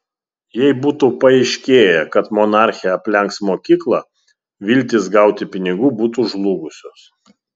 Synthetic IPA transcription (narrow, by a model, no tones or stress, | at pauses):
jɛɪbuːt̪uːpɐɛɪʃʲkʲeːjɛkɐt̪mɔnɑˑɾʲxʲɪjɛɐpʲlʲɛŋksmoːkʲiːklˠɑ | ʋʲɪlʲt̪ʲɪsɡɑˑʊt̪ʲɪpʲɪnʲɪɡuːbuːt̪uʒlˠuːɡʊsʲoːs